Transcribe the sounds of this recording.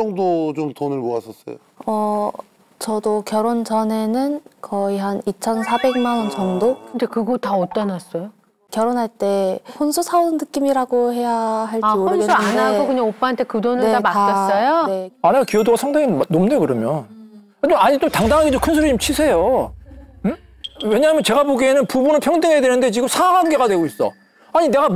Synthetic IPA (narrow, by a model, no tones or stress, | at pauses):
ʌŋdot͡ɕomtonɯɭmoas͈ʌs͈ʌ̰jo̰ | ʌ | t͡ɕʌdokjʌɾont͡ɕʌne̞nɯnkʌiɦanit͡ɕʰʌnsʰabe̞ŋmanwʌnt͡ɕʌŋdokɯnde̞kɯɡotaot͈ʌnas͈ʌjo | kjʌɾonɦaɭt͈e̞ɸonsʰusʰaunːɯk͈imiɾaɡohe̞jaɦaɭaiooɾɯnɡeɯanaɡokɯɲaop͈aantʰe̞kɯdonɯnɭetamas͈ʌjoneanekiʌdoɡasʰaŋdaŋinomde̞kɯɾʌmjon | ad͡ʑaɲit͡ɕomtaŋdaŋɦaɡet͡ɕomkʰɯnsʰoɾɯt͡ɕomt͡ɕʰisʰe̞jo | we̞ɲaːmjʌnt͡ɕe̞ɡaboɡienɯnpubunɯnpʰjʌŋdɯŋɦejadwe̞nɯnde̞t͡ɕiɡɯmsʰaaɡɦanɡe̞ɡadweɡois͈ʌ̰ | aɲine̞ɡa